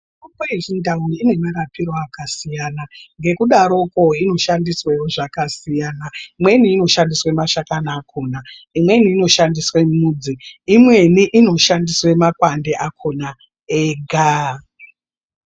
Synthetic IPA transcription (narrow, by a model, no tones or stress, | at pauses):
upoeʐindauine̞maɾapiro̞akasijanaŋɡe̞kuɗaɾo̞koino̞ʃandiswewoʐakasijaːnaimwe̞niːno̞ʃandiswe̞maʃakanaːkʰo̞ːnaimwe̞niːno̞ʃandiswe̞muːd͡ziimwe̞niʔino̞ʃandiswe̞makwande̞ʔakʰona | eɡʱa